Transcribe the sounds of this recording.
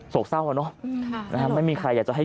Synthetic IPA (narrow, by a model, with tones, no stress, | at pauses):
so˨˩k̚sa˥˩wʔa˨˩nɔ˦˥na˦˥kʰa˦˥ma˥˩jmiː˧kʰɾa˧jːaː˨˩kt͡ɕa˨˩ɦa˥˩